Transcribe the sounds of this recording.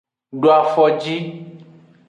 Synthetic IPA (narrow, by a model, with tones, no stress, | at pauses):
ɖo˨a˨fɔ˨d͡ʑi˦